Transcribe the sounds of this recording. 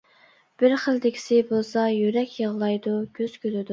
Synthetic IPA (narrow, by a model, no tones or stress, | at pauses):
b̥ɪɾχəlˠd̪ɪkʲʰi̥sɪbolˠsɑjyɾɛkʲjəʁlˠɑjd̪uɡʲøz̥kʲʰølɪd̪u